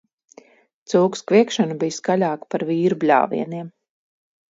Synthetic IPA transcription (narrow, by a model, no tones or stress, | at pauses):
t̪suːkskvʲiɛkʃanubijskalʲaːkpaɾviːɾublʲa̰ːvḭɛniɛm